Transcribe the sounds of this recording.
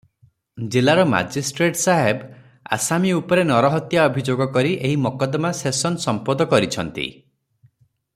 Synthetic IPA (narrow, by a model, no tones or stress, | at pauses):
d͡ʒilaɾɔma̰d͡ʒisʈɾeʈsaɦeb | a̰samiupɔɾenɔɾɔɦɔt̪jaɔbʱid͡ʒoɡɔkɔɾiʔeɦimɔkɔd̪masesɔnsɔmpɔd̪ɔkɔɾit͡ʃʰɔnt̪ḭ